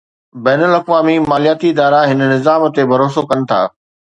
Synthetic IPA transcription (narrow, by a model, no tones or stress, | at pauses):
bɛːnəlɐkʋaːmimaːlijaːt̪iɪd̪aːɾaɦɪnnɪzaːmt̪ebʱɐɾoːsokɐnɪ̆t̪ʰa̰ː